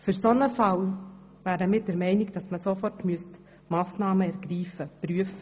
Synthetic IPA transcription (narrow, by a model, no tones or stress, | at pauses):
fʏɾsonəfɑl | væːɾəmɪːɾdɛɾmɛɪnɪɡd̥ɑsməsofɔrtmyəst | mɑːsnɑːməɛɾɡ̥ɾiːfəpɾyəf